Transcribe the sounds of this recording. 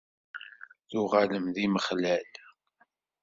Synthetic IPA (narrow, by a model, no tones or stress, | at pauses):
θʊʁaləmðiməχlæl